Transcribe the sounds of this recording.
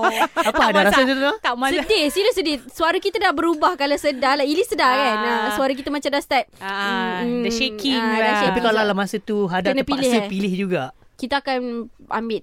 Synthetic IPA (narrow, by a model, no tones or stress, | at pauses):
aaadaɾassasət̪amasədisiləsədisuaɾakit̪adahbəɾubahkalasədalailisədakanasuaɾak̬it̪amat͡ʃamdast̪ɛp̚ | dʃekiŋaapikkalalamasət̪uɦadakənapaisəpilɪhd͡ʒuɡaʔkit̪aːkana̰mbɪl